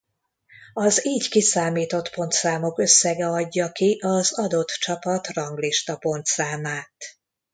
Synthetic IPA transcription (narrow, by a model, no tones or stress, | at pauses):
ɒziːɟkisaːmiːt̪o̞t̪po̞nt̪saːmokø̞sːɛɡɛɒɟːɒkiʔɒzɒd̪o̞t̪t͡ʃɒpɒt̪rɒŋɡliʃt̪ɒpo̞nt̪saːmaːt̪